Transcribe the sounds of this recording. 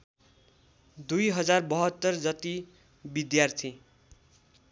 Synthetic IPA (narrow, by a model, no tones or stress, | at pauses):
d̪ujɦʌd͡zarbʌɦʌt̪ːʌrd͡zʌt̪i | bid̪jart̪ʰi